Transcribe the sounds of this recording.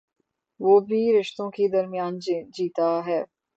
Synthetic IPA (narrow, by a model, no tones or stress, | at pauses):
ʋoːbʱiɾɪʃt̪õked̪ɐɾmijaːnd͡ʒiːt̪aɦɛː